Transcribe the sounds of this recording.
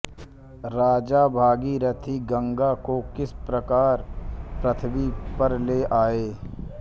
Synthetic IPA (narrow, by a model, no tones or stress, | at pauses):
ɾaːd͡ʒaːbʱaːɡiɾət̪ʰiɡə̃ŋɡakokɪspɾəkaːɾpɾət̪ʰəbipɐɾleːʔaːeː